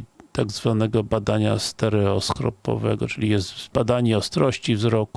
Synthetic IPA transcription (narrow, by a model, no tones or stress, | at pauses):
t̪aɡzvanɛɡɔbad̪aɲa̰st̪ɛɾɛɔskɾɔ̰pɔ̰vɛ̰ɡɔt͡ʂɘlʲijɛzd̪bad̪aɲɛɔst̪ɾɔɕt͡ɕivzɾɔku